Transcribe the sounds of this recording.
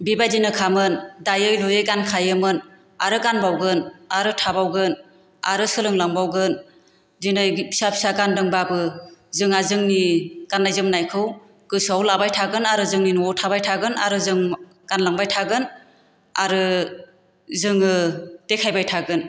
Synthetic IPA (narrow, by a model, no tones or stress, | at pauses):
bibajdinɯkʰamɯndajɯjlujɯjɡankʰajɯmɯn | aɾɯɡanbawɡɯnaɾɯtʰabawɡɯn | a̰ɾɯsɯlɯŋlaŋbawɡɯn | dinɯjisapʰi̥saɡandɯŋbabɯzɯŋazɯŋniɡ̥anːajzɯmnajkʰɯw | kɯsawlabajtʰaɡɯnaɾɯzɯŋninuɔtʰabajtʰaɡɯna̰ɾɯzɯŋ | ɡ̥anlaŋbajtʰaɡɯn | a̰ɾɯ | zɯŋɯtekʰajbajtʰaɡɯn